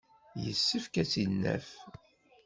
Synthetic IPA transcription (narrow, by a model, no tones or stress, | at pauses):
jəsːəfkæt͡sːinːæ̰f